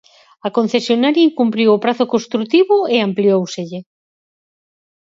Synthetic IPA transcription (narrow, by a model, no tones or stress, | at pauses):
ɐkon̟θesjonaɾjaiŋkumpɾiwopɾaθokost̪ɾut̪iβoeampliowseʎe